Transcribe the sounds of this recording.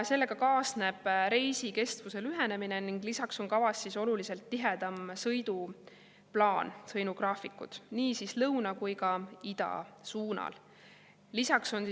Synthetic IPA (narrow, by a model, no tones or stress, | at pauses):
se̞lːe̞ɡ̥ɑkɑːsne̞b̥ɾe̞jsike̞st̪vuse̞lyɦe̞ne̞mine̞niŋɡ̥lisɑkso̞ŋkɑvɑsːiso̞lulise̞lt̪ːiɦe̞d̪̥ɑmsɤjd̪̥u | plɑːnsɤjnuɡ̥rɑːfikːṵd̪̥niːsislɤwnɑkujkɑid̪̥ɑ̰suːnɑ̰l | lisɑkso̞n